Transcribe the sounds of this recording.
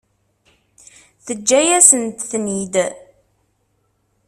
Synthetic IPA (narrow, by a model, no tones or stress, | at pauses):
θəd͡ʒːæjæsənt̪θnid̪